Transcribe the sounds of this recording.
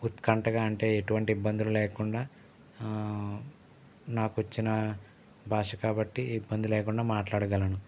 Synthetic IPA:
ut̪kɐɳʈɐɡaːɐɳʈe̞ːeʈuʋɐɳʈiːbːɐnd̪ululɛːkuɳɖaː | naːkuʋɐt͡ʃːinɐ | bʱaːʂɐkaːbɐʈːiːbːɐnd̪ilɛːkuɳɖaːmaːʈlaːɽɐɡɐlɐnu

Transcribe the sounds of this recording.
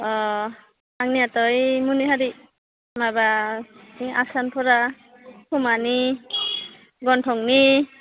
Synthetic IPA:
ɔ | aŋniatɔjmuniɦaɾi | maba | iŋa̰sanpʰɔɾa | kʰumani | ɡɔntʰɔŋni

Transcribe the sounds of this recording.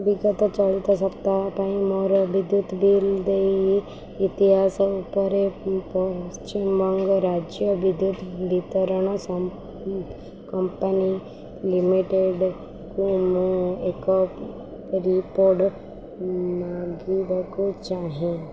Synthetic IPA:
biɡət̪at͡ʃəɭit̪asɐpt̪apaimɔɾbɪd̪jut̪bʱild̪ei | ɪt̪iɦaːsʊpəɾepɔst͡ʃimbɔ̃ŋɡɾaːd͡ʒjəbɪd̪jut̪ʰʋit̪əɾəɽ̃s | kɐmpəni | lɪmiʈeɖ | kumuekɔ | ɾipoːɾɖ | maːɡibakot͡ʃaːɦẽ

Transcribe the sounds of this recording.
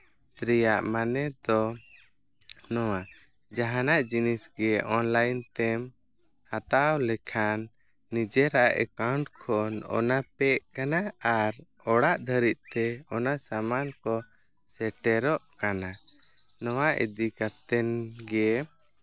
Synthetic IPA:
t̪ɾijaʔmanɛd̪ɔ | nɔwa | d͡ʒaɦanaʔd͡ʒinisɡɛʔɔnlajnt̪ɛm | hat̪awlɛkʰanː | id͡ʒɛɾaʔa̰ʔɛ̰kawɳʈkʰɔnɔ̰napɛʔkanaaɾ | ɔɽaʔd̪ʱəɾit̪̚ˀt̪ɛɔnasamankɔ | sɛʈɛɾɔʔkana | nɔwaʔḭd̪ikat̪ɛnɡɛ

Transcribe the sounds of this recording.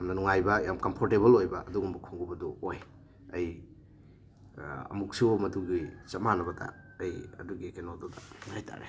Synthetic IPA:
jamnɐnuŋajbɐjamkɐmpʰoɾtebɐlojbɐʔɐduɡumbɐkʰoŋɡubɐdɔoj | ɐj | ɐ̰muk̚simɐduɡit͡ʃɐt̚manɐbɐdɐ̰ːjɐ̰duɡikenododɐŋajtʰa̰ɾḛ

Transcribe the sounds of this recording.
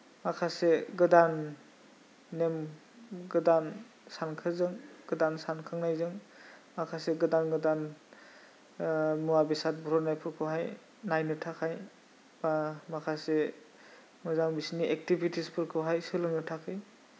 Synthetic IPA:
makʰaseɡɯdan | em | ɡɯdan | sankʰɯzɯŋɡ̥ɯdansankʰɯŋnajzɯŋ | makʰaseɡɯdanɡɯdan | muwabisat̚bɔɾɔnajpʰɯɾkʰɯwɦaj | najnɯtʰakʰaj | amakʰase | mɯzaŋbisiniʔek̚tibitʰispʰɯɾkʰɯwɦajsɯlɯŋnɯtʰakʰɯj

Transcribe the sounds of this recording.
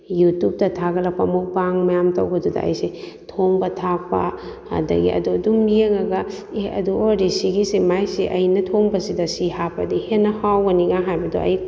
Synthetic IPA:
jutup̚tɐtʰaɡɐlɐk̚pɐmok̚baŋmɐjamtɐwɡɐdudɐ̰ʔɐ̰jse | tʰoŋbɐtʰak̚pɐ̰ | dɐ̰ɡḭʔɐ̰duɐdumːijeŋɐɡɐ | eɐ̰duoɾisiɡisemajseʔɐjnɐtʰoŋbɐsidɐsihapʰɐdihenːɐhawɡɐniŋaɦajbɐdo̰ʔɐ̰j

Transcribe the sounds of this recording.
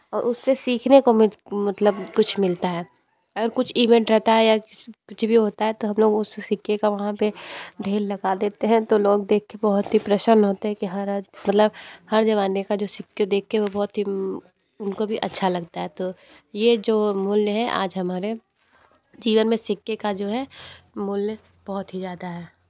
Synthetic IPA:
ɔːɾʔʊsːesiːkʰnekomɪmɐt̪ləbkʊt͡ʃʰmɪlt̪aɦɛː | ɐɡəɾkʊt͡ʃʰiːʋɛ̃ɳʈɾɛɦt̪aɦɛjakkʊt͡ʃʰbʱiɦoːt̪aɦɛt̪oɦɐ̃mloːɡʊssɪkːekaʋɐɦãped̪ʱeːlːɐɡad̪eːt̪eɦɛ̃t̪oloːɡ̚d̪eːkʰkːebɔɦʊt̪ɦipɾɛʃəɾnɦoːt̪eɦɛ̃kiɦɐɾmɐt̪ləbhɐɾd͡ʒɐʋaːnekad͡ʒoːsɪkːed̪eːk̚ʰːeɦɛʋobɔːt̪ɦi | ʊnkobʱiʔɐ̰tːʃʰalɐɡt̪aɦɛt̪oː | jed͡ʒoːmʊljɦɛʔa̰ːd͡ʒɦɐmaːɾe | d͡ʒiːʋənmẽsɪkːekad͡ʒoːɦɛmʊlnə | b̥ɔɦʊt̪ɦizjaːd̪aɦɛː

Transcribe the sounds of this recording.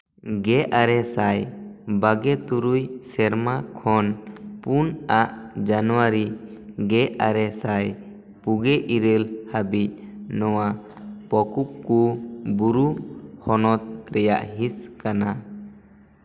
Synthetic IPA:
ɡɛʔaɾɛsajbaɡɛt̪uɾujsɛɾmakʰɔnpunaʔd͡ʒanwaɾi | ɡɛʔaɾɛsaj | puɡɛʔiɾəlhabic̚nɔwa | pɔkup̚kubuɾuhɔnɔt̪̚ɾɛja̰ʔɦiskana

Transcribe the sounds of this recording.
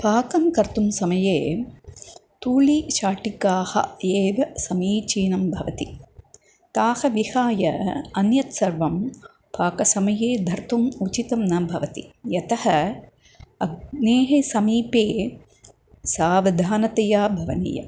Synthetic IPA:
paːkɐmkɐɾt̪umsɐmɐjeː | t̪uːliʃaːʈikaːhɐ̰eːʋɐsɐmiːt͡ʃiːnɐmbʱɐʋɐt̪i | t̪aːhɐʋihaːjɐɐnjɐt̪sɐɾʋɐm | paːkɐsɐmɐjeːd̪ʱɐɾt̪umut͡ʃit̪ɐmnɐbʱɐʋɐt̪ḭjɐt̪ɐhɐ | ɐneːɦesɐmiːpeː | saːʋɐd̪ʱaːnɐt̪ɐjaːbʱɐʋɐnḭːjɐ̰m

